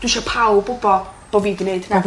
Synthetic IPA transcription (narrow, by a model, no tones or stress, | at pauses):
d̥wɪʃapʰawbʊbɔb̥oviːɡneɨdnaɡ